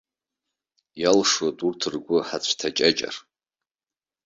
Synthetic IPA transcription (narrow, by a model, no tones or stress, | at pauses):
jalʂodʼurtʰɨrɡʷʊħat͡ɕʷʰtʰat͡ʃʼat͡ʃʼa̰r